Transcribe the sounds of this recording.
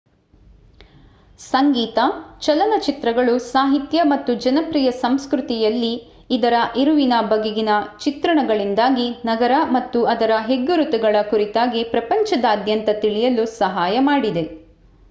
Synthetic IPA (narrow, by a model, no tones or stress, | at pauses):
sɐŋɡiːt̪ɐt͡ʃɐlɐnɐt͡ʃit̪ɾɐɡɐɭusaːɦit̪jɐmɐt̪ːud͡ʒɐnɐpɾiːjɐsɐmskɾut̪ijɐlːiː | d̪ɐɾɐʔeɾuʋinɐbɐɡeɡinɐt͡ʃit̪ɾɐɳɐɡɐɭind̪aːɡinɐɡɐɾɐmɐt̪ːuɐd̪ɐɾɐɦeɡːuɾut̪uɡɐɭɐkuɾit̪aːɡipɾɐpɐɲt͡ʃɐd̪ɐːd̪jɐnt̪ɐt̪iɭijɐlusɐɦaːjɐmaːɽid̪e̞